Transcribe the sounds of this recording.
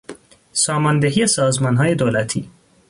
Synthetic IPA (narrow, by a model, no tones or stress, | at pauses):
sɒːmɒnd̪eɦiːjesɒːzmɒnɦɒːje̞d̪oːlæt̪ʰḭː